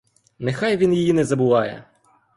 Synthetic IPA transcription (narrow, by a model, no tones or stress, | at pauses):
nexɑjʋʲinjijinɛzɐbʊʋɑjɛ̰